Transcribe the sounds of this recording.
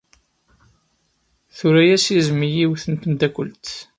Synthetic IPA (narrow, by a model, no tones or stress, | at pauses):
θʊɾæjæsizmijiwθənt̪ənd̪ækʷːəlt̪